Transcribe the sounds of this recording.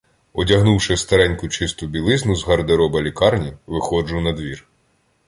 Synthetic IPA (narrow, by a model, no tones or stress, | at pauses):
ɔdʲɐɦnuwʃɪst̪ɐɾɛnʲkʊt͡ʃɪst̪ʊbʲilˠɪznʊzɦɐrd̪eɾɔbɐlʲikɑrnʲiʋɪxɔd͡ʒʊnɐd̪ʋʲir